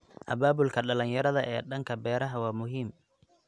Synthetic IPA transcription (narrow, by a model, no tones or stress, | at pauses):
ʔɐ̰baːbʊlkʰɐɖɐlɐnjɐɾɐðɐʔɛ̰ːɖɐŋkʰɐbɛːɾɐɦɐwɑːmʊɦiːm